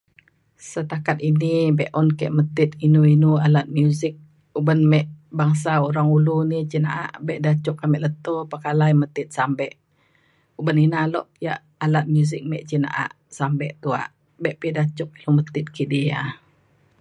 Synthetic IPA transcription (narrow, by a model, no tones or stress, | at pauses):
sət̪akat̪̚inibɛʔɔnkɛʔmət̪ɪt̪̚inuinualat̪̚mjuzɪk̚ | ubənmɛʔbaŋs̬auɾaŋulunit͡ʃinaʔa̰ʔbɛʔdat͡ʃukamɛʔlət̪opəkalajmət̪ɪt̪̚sambɛʔ | ubəninalɔʔja̰ʔ | alat̪̚mjuzɪk̚mɛ̰ʔt͡ʃina̰ʔa̰ʔ | sambɛʔt̪ua̰ʔ | bɛʔpidat͡ʃuk̚ilumət̪ɪt̪̚kʰidia